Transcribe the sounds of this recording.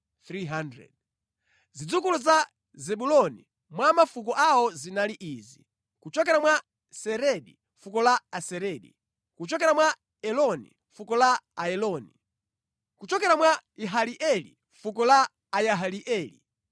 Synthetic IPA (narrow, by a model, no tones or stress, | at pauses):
θɾiɦandɾɛ̰d̚ | zid͡zukuluza | zɛɓulɔnḭ | mwamafuk̬ɔʔawɔzinaliʔiːzi | kut͡ʃɔkɛɾamwa | sɛɾɛɗi | fukɔlaasɛɾɛɗḭ | kut͡ʃɔkɛɾamwa | ɛlɔnḭ | fukɔlaaɛlɔni | kut͡ʃɔkɛɾamwaiɦaliʔɛlḭ | fukɔlaː | jaɦaliʔɛːlḭ